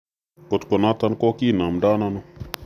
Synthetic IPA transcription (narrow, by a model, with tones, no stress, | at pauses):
ko˨t̪ko˨na˦t̪a˦nko˦ki˦˨na˨mda˦na˦nu˦